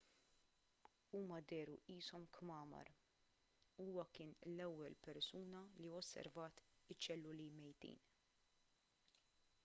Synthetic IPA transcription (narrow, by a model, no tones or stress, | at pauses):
uːmɐd̪ɛːɾuiːsɔmkmɐːmɐ̰ɾ | uːwɐkɪːnlɛwːɛlpɛɾsuːnɐliɔsːɛ̰ɾvɐːt̪ɪt͡ʃːɛlːʊlimɛjt̪ḭːn